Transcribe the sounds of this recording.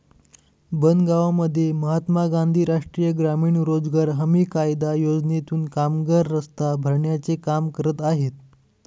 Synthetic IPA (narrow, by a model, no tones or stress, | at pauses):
bənɡaʋaməd̪ʱːjeməɦat̪maɡãnd̪ʱiːɾaʂʈɾijəɡɾamiːɳɾod͡zɡaɾɦəmiːkajd̪ajod͡znet̪uːnkamɡəɾːəst̪abʱəɾɳjat͡sekamkəɾət̪aɦet̪̚